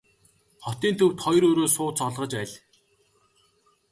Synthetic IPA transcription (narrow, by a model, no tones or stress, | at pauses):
χɔt̪iːnt̪ʰɵ̆wt̪χɔjɾoːɾoːsʊːt͡sɔɮʁə̆t͡ɕpæɮʲ